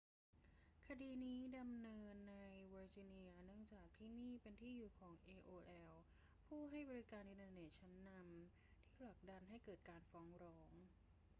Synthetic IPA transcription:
kʰa˧diː˧niː˦˥da˧mnɤː˧nːa˧jbɤː˧t͡ɕi˧ni˧ɐ˧nɯ˥˩əŋt͡ɕaː˨˩k̚t̪ʰiː˥˩niː˥˩pe˧nt̪ʰiː˥˩juː˨˩kʰɔː˩˦ŋʔeː˧ʔoː˧ʔɛː˧w | pʰuː˥˩ɦa˥˩jbɔː˧ɾi˦˥kaː˧nʔi˧nt̪ʰaː˧ne˨˩t̪̚t͡ɕʰa˦˥nːa˧m | t̪ʰiː˥˩pʰla˨˩k̚da˧nɦa˥˩jkɤː˨˩t̪̚kaː˧nfɔː˦˥ŋɾɔː˦˥ŋ

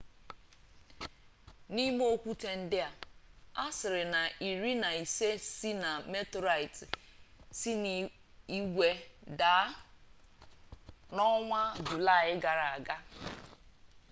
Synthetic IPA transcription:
ni˦m˦o˦kʷu˦te˦n̩˦dɪ˦a˨a˦sɪ˨ɾɪ˨na˨ʔi˨ɾi˦na˨i˨se˦si˦na˨me˦tɾa˨ɪ˨t | si˦n | i˦ɡʷe˦da˨˦ | nɔ˦ŋʷa˦dʊ˨la˦˨ɪ˦ɡa˨ɾa˨a˨ɡa˦

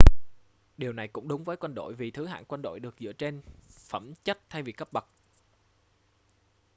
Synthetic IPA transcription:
ɗi˨˩əwna˨˩jkʊ̰˧˥ŋ͡mɗʊ˨˦ŋ͡mvəː˨˦jkwa˧nɗo̰˧˨jvi˨˩t̪ʰɨ˨˦ɦa̰ː˧˨nkwa˧nɗo̰˧˨jɗɨ˨˩ək̚zɨ̰˧˥ət͡ɕe˧nfə˧˩mt͡ɕə˦˥t̚t̪ʰa˧jvi˨˩kə˦˥p̚ɓə˨˩k̚

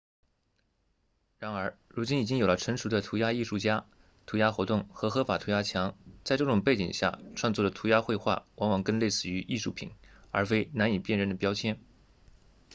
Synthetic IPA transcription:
ɻa˧˥nə˞˧˥ɻu˧˥t͡ɕi˥ni˨˩t͡ɕi˥ŋjo˨˩ʊlə˦ʈ͡ʂʰə˧˥ŋʂu˧˥d̪ə˧t̪ʰu˧˥ja˥i˥˧ʂu˥˩t͡ɕja˥ | t̪ʰu˧˥ja˥xwɔ˧˥t̪ʊ˥˩ŋxɤ˧˥xɤ˧˥fa˨˩t̪ʰu˧˥ja˥t͡ɕʰjɑ˧˥ŋt͡sa˥˧ɪʈ͡ʂɤ˥˩ʈ͡ʂʊ˨˩ŋpe˥˩t͡ɕḭ˨˩ŋɕja̰˥˩ʈ͡ʂʰwa˥˧ŋt͡swɔ˥˩d̪ə˩t̪ʰu˧˥ja˥xwe˥˧ɪxwa̰˥˩wɑ˧˥ŋwɑ˨˩ŋkə˥nle˥˧ɪsɹ̩˥˩y˧˥ʔi˥˧ʂu˥˩pʰḭ˨˩˦nə̰˞˧˥fe˥ɪna˧˥ni˨˩pjɛ˥˧nɻə˥˩nd̪ə˩pjɑ˥ʊt͡ɕʰjɛ˥˩n

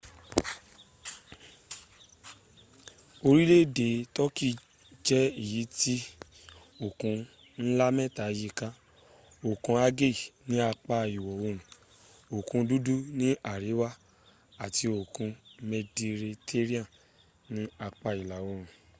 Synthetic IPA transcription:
o˧ɾi˦le˦de˨tɔ˦ki˦˨ | d͡ʒɛ˦i˦˨ji˨˦ti˦ | o˨kũ˨˧ | n̩˦la˦mɛ̃˦ta˨ji˧ka˦ | o˨kũ˧˦a˦ɡe˦˨nĩ˨˦a˧k͡pa˧i˨wɔ˨wo˧ɾ̃ũ˨ | o˨kũ˧du˦du˦nĩ˦a˦˨ɾi˨˦wa˦ | a˨ti˧o˨kũ˧me˧di˧ɾe˧tʰe˦ɾi˦ã˦˨ | nĩ˦a˧k͡pa˧i˨la˨wo˧ɾ̃ũ˨

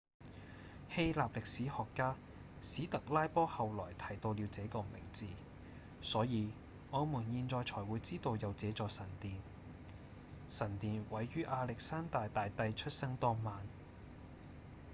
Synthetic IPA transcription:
he˧jlaː˨p̚lɪ˨k̚siː˨˥hɔː˨kːaː˥ | siː˨˥t̪ɐ˨k̚laː˥jpɔː˥hɐ˨wlɔ̰ː˨˩jt̪ʰɐ˨˩jt̪o˧wli˨˧wt͡sɛː˨˥kɔː˧mɪ̰˨˩ŋt͡siː˨˧ | sɔː˨˥jiː˨˧ | ɔː˨˧muː˨˩njiː˧nt͡sɔː˨˧jt͡sʰɔː˨˩jwuː˨˧jt͡siː˥t̪o˧wjɐ˨wt͡sɛː˨˥t͡sɔː˨sɐ˨˩nt̪iː˨n | sɐ˨˩nt̪iː˨nwɐ˨˥jɥyː˥ʔaː˧lɪ˨k̚saː˥nt̪aː˨jt̪aː˨jt̪ɐ˧jt͡ʃʰɵ˥t̚sɐ˥ŋt̪ɔː˥ŋmaː˨˧n

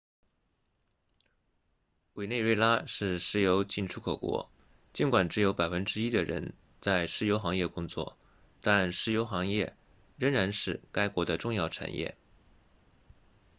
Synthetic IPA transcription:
we˨˩ɪne˥˧ɪɻwe˥˩ɪla˥ʂɻ̩˥˩ʂɻ̩˧˥jo˧˥ʊt͡ɕi˥˩nʈ͡ʂʰu˥kʰɤ˨˩kwɔ̰˧˥ | t͡ɕi˧˥nkwa˨˩nʈ͡ʂɻ̩˧˥jo˧˥ʊpa˨˩ɪfə˥nʈ͡ʂɻ̩˥i˥d̪ə˨ɻə̰˧˥n | t͡sa˥˩ɪʂɻ̩˧˥˩jo˧˥ʊxɑ˧˥ŋjɛ˥˩kʊ˥ŋt͡swɔ̰˥˩ | t̪a˥˧nʂɻ̩˧˥˩jo˧˥ʊxɑ˧˥ŋjɛ˥˧ | ɻə˧˥ŋɻa˧˥nʂɻ̩˥˩ka˥ɪkwɔ˧˥d̪ə˧ʈ͡ʂʊ˥˧ŋjɑ˥˩ʊʈ͡ʂʰa̰˨˩njʔɛ̰˥˩

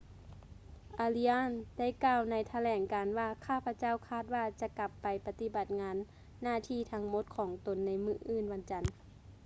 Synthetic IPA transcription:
ʔaː˧li˧ʔaː˧˥˨nda˥˨jkaː˧˩˨wna˧˥jt̪ʰa˧lɛː˩˦ŋkaː˨nwaː˧˩kʰaː˧˥˩pʰa˧t͡ɕa˥˨wkʰaː˧˥˩t̪̚waː˧˩t͡ɕa˧ka˧˦pːa˨jpa˧t̪i˧˦ba˨t̪̚ŋaː˨˧˥nː | aː˧˥˩t̪ʰiː˧˩t̪ʰa˧˥ŋmo˧˥t̪̚kʰɔː˩˦ŋt̪o˨nːa˧˥jmɯː˧˩ʔɯː˧˨nwa˧˥nt͡ɕa˨n

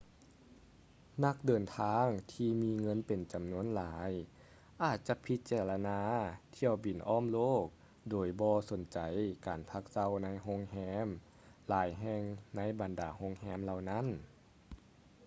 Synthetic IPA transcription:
na˧˥k̚dɤː˨˩nt̪ʰaː˧˥ŋt̪ʰiː˧miː˧˥ŋɤ˧˥˨npe˨˩nt͡ɕa˨mnu˧˥ə˨nlaː˨˦j | ʔaː˨˩t̪̚t͡ɕa˧˦pʰi˧˥t̪̚t͡ɕɛː˧˩la˧naː˧t̪ʰi˧˨əwbi˨˩nʔɔː˧˥˨mloː˥˩k̚ | doː˨˩jbɔː˧so˨˩˦nt͡ɕa˨˩jkaː˨˩npʰa˧˥k̚sa˧˩˨wna˧˥˨jɦo˧˥˨ŋhɛː˧˥m | laː˨˦jɦɛ˧ŋna˧˥˨jba˨˩ndaː˨˩ho˧˥ŋhɛː˧˥˩mla˧wna˧˥˨n

